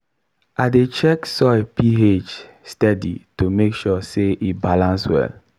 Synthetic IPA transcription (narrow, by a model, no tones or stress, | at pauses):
adet͡ʃɛksɔɪpied͡ʒ | stɛdḭtumekʃɔseʔibalãnswɛ̰l